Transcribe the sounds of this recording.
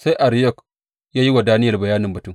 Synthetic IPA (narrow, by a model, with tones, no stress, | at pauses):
sa˦jʔa˨ɾi˦jɔ˦˨k | jaː˦ji˦wa˨daː˦nɪ˦jɐ˨rbɐ˨jaː˦nɪ˨mbɐ˨tu˦˨m